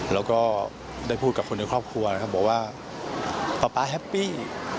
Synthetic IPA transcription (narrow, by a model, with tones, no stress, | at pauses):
lɛː˦˥wkɔː˥˩ | daː˥˩jpʰu˥˩t̪̚ka˨˩kʰo˧nːaː˧jkʰɾɔː˥˩p̚kʰɾu˧ɐna˦˥kʰa˦˥p̚bɔː˨˩kwaː˥˩ | pa˧˩paː˧˥ɦɛ˦˥pːiː˥˩